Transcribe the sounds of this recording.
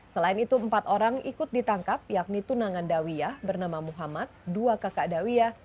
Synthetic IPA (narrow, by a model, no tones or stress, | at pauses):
səlaɪnit̪umpat̪oɾaŋikʊt̪̚dit̪aŋkap̚jak̚nit̪unaŋandawiahbərnamamuɦamat̪̚duakakadawiah